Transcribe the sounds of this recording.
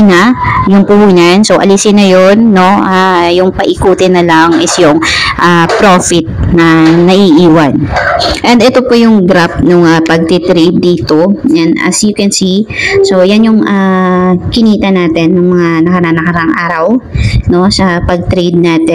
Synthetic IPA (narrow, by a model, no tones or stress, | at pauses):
nɐjʊŋpʊhuːnɐnsowʔɐ̰lisɪnɐjonːo̞ʔajʊŋpɐʔɪkuːt̪ɪnːɐlaŋʔɪsjʊŋʔapɾofɪt̪̚nɐnɐʔiʔiːwɐnʔɛnd̪ɛt̪o̞pojʊŋɡɾap̚nʊŋɐpɐɡ̚t̪ɪt̪ɾib̚d̪iːt̪o̞janɐ̰sikwɛnsiso̞wjanjʊŋʔa | kɪniːt̪ɐnaːt̪ɛnːɐŋmɐŋanɐkɐɾaːnɐkɐɾaŋʔaːɾɐwno̞sɐpɐɡ̚t̪ɾed̪̚naːt̪ɛ